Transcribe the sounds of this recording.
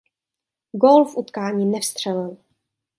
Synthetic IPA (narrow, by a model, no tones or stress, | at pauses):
ɡoːlfʔut̪kaːɲiːnɛfst̪r̝̥ɛlɪl